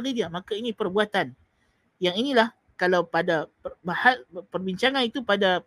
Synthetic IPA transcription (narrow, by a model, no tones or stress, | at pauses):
ɾidiamakainĩpərbuat̪an | jaŋinĩlah | kalawpadapəbahapərbiɲt͡ʃaŋãnit̪upada